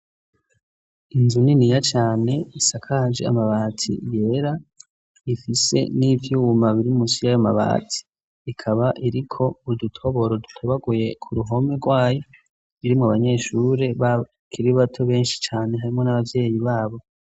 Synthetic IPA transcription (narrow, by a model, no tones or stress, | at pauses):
inzuninijat͡ʃaːne̞isakʰaːd͡ʒḛa̰maβaːtʰḭje̞ːɾa | ifise̞̰nivjuːmaβiɾimusijajama̰βa̰ːtʰi̥ː | kʰaβaʔiɾikʰo̞udutʰo̞βo̞ɾodutʰoβaɡuje̞kʰuɾuɦo̞meɡwaːjo̞ | βiɾimŋoaβaɲe̞ːʃuɾe̞βa | kʰiɾiβatʰo̞βe̞ːnʃi̥t͡ʃaːne̞ɦaɾimŋo̞naβavje̞ːjiβaːβo̞